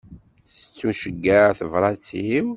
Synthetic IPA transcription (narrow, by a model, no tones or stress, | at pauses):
θə̥t͡sːuʃəɡːəɾθəvɾˤɑt͡siw